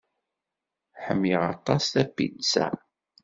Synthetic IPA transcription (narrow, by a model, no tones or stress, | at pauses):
ħəmːiʁɑt̪ˤɑsθæpːḭnsæ̰